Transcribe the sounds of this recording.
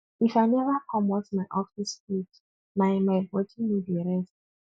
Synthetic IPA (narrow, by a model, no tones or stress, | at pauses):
ifajnɛvakʰɔmɔsmajʔɔfispit | majmajbɔtʰimidiɹɛs